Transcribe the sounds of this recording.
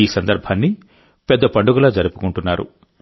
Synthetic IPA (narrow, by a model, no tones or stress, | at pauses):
iːsɐnd̪ɐɾbʱanːi | pɛd̪ːɐpɐɳɖuɡulɐːd͡ʒɐɾupu̥kuɳʈunːaːɾṵ